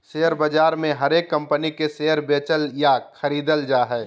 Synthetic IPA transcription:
seːɦəɾbəd͡ʒaːɾmẽɦɐɾeːkːɐ̃mpənikeseːəɾbeːt͡ʃəljaxʰəɾiːd̪əld͡ʒaːɦɛː

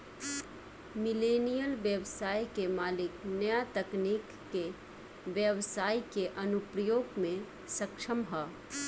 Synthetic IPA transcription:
mɪleːnijəlʋjəʋsaːikemaːlɪknɐjat̪ɐkniːkːe | ʋjəʋsaːjkeʔɐnʊpɾəjoːɡmẽ | sɐkʃəmɦɐ

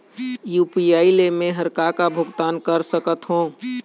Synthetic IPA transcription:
juːpiaːilemẽɦəɾkakabʱʊɡt̪aːnkəɾsəkət̪ɦõː

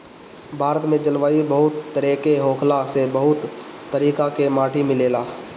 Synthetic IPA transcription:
bʱaːɾət̪mẽd͡ʒəlʋaːibəɦʊt̪ːəɾeːkeɦoːkʰlasebəɦʊt̪ː | əɾiːkakemaːʈʰimɪleːlaː

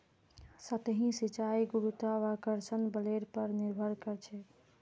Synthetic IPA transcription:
sət̪ɦĩsit͡ʃaiɡuɾut̪aʋakəɾsənbəleɾpəɾniɾbʱəɾkəɾt͡ʃʰɛ

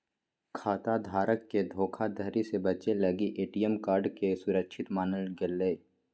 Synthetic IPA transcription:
kʰaːt̪ad̪ʱaːɾəkːed̪ʱoːkʰad̪əɾisebət͡ʃeləɡiʔeːʈijəmkaːɾɖkesʊɾəkʃʰɪt̪maːnəlɡɪlːeː

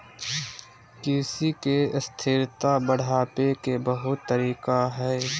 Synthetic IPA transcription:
kɪsikeɪst̪ʰɪɾt̪abəɽ̤ʱaːpekebəɦʊt̪ːəɾiːkaɦɛː

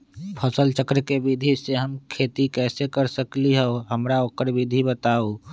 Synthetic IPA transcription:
pʰəsəlt͡ʃəkɾəkebid̪ʱiseɦəmkʰeːt̪ikɛːsekəɾsəkliɦɛoɦəmɾaokəɾbid̪ʱibət̪aːo

